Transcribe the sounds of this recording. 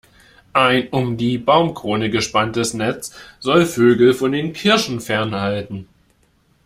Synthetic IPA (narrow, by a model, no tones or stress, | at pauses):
ʔaɪnʊmdiːbaʊmkʁ̥oːnəɡəʃpantəsnɛt͡sz̥ɔlføːɡl̩fɔndeːnkʰɪɐʃn̩fɛɐnhaltn̩